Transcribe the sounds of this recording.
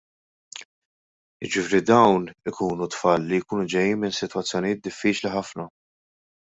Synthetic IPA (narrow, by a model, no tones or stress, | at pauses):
ɪd͡ʒɪfɪːɾid̪ɐwnɪkuːnut̪fɐːlːijkuːnud͡ʒɛjːiːnmɪnsɪt̪wɐt͡sːjɔnijɪːt̪̚d̪ɪfːiːt͡ʃliħɐfnɐ